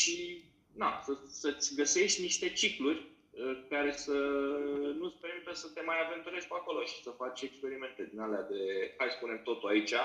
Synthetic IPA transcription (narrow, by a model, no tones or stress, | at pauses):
ʃi | d̪asəsət̪sʲɡəse̞ʃt̪ʲniʃt̪e̞t͡ʃiklurʲ | əkaɾe̞sə | nut̪sʲpe̞ɾmit̪əsət̪e̞majave̞nt̪uɾe̞ʃʲkuako̞lo̞ʃi̥səfat͡ʃʲe̞kspe̞ɾime̞nt̪e̞d̪inalead̪e̞kaspune̞mt̪o̞t̪uait͡ʃa